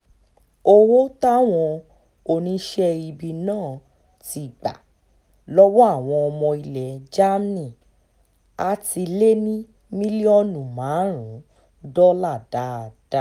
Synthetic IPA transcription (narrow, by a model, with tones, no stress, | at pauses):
o˧wo˦ta˦˨w̃ɔ̃˧ | o˧nĩ˦ʃɛ˦i˧bi˧nãː˦˨ | ti˧˨ɡ͡ba̰˨ | lɔ˦wɔ˦a˦˨w̃ɔ̃˧ɔ˧mɔ̃˧i˧lɛ˨d͡ʒa˦m˦nĩ˦˨ | a˧ti˧le˦nĩ˦ | mĩ˦li˦ɔ˦nũ˨mãː˨˦ɾ̃ũ˨˦ | dɔ˦la˦˨da˨˦˨d̥a˦